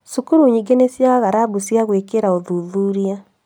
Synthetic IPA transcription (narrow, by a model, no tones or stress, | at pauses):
sukuɾuɲiɡenesjaaɣaɾabusjaɣwekeɾaoðuðuɾia